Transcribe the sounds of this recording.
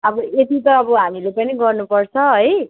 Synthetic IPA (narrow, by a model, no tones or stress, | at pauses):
ʌbʌet̪it̪ʌːbʌɦamilepʌniɡʌrnupʌrt͡sʰʌɦʌj